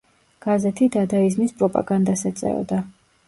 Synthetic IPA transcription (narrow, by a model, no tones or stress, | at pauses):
ɡ̥azɛt̪ʰid̪ad̪aiznispʼɾɔpʼa̰ɡand̪asɛt̪sʼɛ̰ɔ̰d̪a